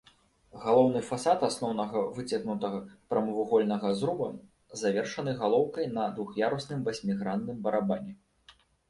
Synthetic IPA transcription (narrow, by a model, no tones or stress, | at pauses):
ɣalˠɔwn̪ɨfasat̪asnɔwnɐɣɐvɨt͡sʲɐɣnut̪ɐɣɐpɾɐmɐvuɣɔlʲnɐɣɐzɾubɐ | zavʲɛrʂɐn̪ɨɣalˠɔwkɐjnɐd̪vuxjaɾusnɨmvasʲmʲiɣɾand̪ːɨmbɐɾabanʲɛ